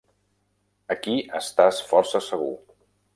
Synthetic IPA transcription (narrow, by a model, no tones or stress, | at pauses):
əkiəst̪asfɔɾsəsəɣ̞ṵ